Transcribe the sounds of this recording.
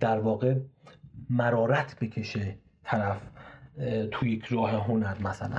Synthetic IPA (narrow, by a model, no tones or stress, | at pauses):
d̪̥æɾvɒːɣe | mæɾɒːɾæt̪ʰbe̞kʲʰe̞ʃe | t̪ʰæɾæf | t̪ʰujekʰɾɒːɦeɦonæɾmæsælæ̰n